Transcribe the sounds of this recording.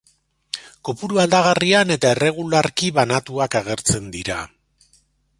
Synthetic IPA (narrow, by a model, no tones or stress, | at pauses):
ko̞puɾuald̪aɣ̞ariane̞t̪aere̞ɣ̞ulaɾkiβanat̪uakaɣ̞e̞ɾt͡se̞nd̪iɾa̰